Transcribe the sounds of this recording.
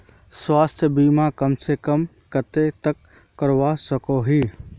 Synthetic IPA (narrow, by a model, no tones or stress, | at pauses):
swaːst̪ʰjəbiːmakəmsekəm | kət̪et̪əkː | əɾwasəkoɦiː